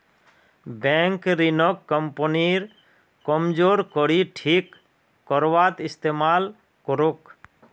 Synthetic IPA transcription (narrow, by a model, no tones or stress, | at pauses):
bɛŋkɾinɔkːɔmpɔniɾ | kɔmd͡ʒoɾkɔɾiʈʰikː | ɔɾwat̪ist̪emal | kɔɾok